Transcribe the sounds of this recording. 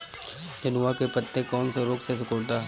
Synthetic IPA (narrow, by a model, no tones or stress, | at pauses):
d͡ʒɐnʊʋakepɐt̪ːẽkɔːnseɾoːksesɪkoːɽt̪aː